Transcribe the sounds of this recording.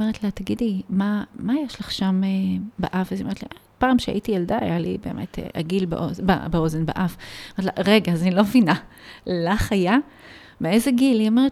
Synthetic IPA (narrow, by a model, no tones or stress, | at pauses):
meetlat̪aɡidimamajeʃlaχʃamebaʔafaziomeetla̰ʔ | paːmʃea̰ʔitijelda̰ːjalḭbe̞ːmʔḛtʰḛʔa̰ɡilbḛʔozba̰beo̞zenbeʔafomeetla̰ʁeɡazanilo̞vinalaχaja | meezeɡiliomeʁet